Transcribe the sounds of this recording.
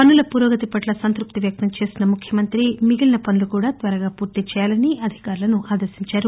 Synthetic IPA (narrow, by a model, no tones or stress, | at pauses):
pɐnːulɐpuːɾoːɡɐt̪ipɐʈlɐsɐnt̪ɾup̚t̪iʋjɐk̚t̪ɐmt͡ʃe̞ːsinɐmukʰjɐmɐnt̪ɾimiɡilɐnɐpɐnulukuːɽaːt̪ʋɐɾɐɡaːpuːɾt̪et͡ʃɛːjaːlɐniʔɐd̪ʱi̥kaːɾulɐnuʔaːd̪ɐɾsiɲt͡ʃaːɾu